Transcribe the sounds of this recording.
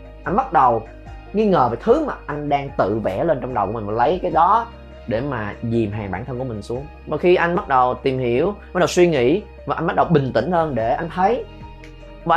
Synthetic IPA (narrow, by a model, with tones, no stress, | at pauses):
ʔa˧jn̟ɓa˦˥t̚ɗə˨˩w | ŋi˧ŋəː˨˩veː˨˩jt̪ʰɨ˨˦maː˨˩ʔa˧jŋ̟ɗaː˧ŋt̪ɨ̰˧˨vɛ̰˧˩le˧nt͡ɕɔ˧ŋ͡mɗwkːm˨˩ma˨˩lə˨˦jkaː˨˦jɗɔ˨˦ | ɗe˧˩maː˨˩zi˨˩mɦaː˨˩ŋɓa̰ː˧˩nt̪ʰə˧nku˧˩əmï˨˩ŋ̟su˨˦əŋvɔ˨˩xi˧ʔa˧jŋ̟ɓa˦˥t̚ɗə˨˩wt̪i˨˩mhi˧˩˨əwɓa˦˥t̚ɗə˨˩wswi˧ŋḭ˧˥ | vaː˨ʔa̰˧nɓa˦˥t̚ɗə˨˩wɓï˨˩ŋ̟t̪ï˧˩ŋ̟həː˧nɗe˧˩ʔa˧jŋ̟t̪ʰə˨˦j | va˧˨